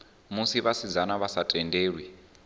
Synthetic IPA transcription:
musiβasid͡zanaβasatʼɛndʱeːɺwi

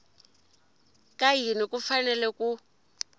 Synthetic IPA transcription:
kʼaɦinikʼufanɛlɛkʼu

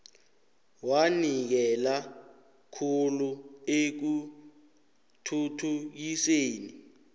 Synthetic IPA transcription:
wanik̬ɛla | kʰuluek̬u | tʰutʰuk̬iseːni

